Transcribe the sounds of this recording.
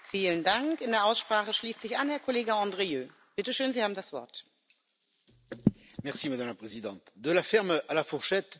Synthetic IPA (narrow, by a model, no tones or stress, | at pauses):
fiːləndaŋkɪndeːɐʔaʊsʃpʁ̥aːχəʃliːstz̥ɪçʔanhɛɐkʰɔleːɡəɑ̃ːdʁejøː | b̥ɪtəʃøːnzihaːbm̩dasv̥ɔ̰ɐt | mɛʁsimad̪amlapχezid̪ɑ̃t̪d̪əlafɛʁmalafuʁʃɛt̪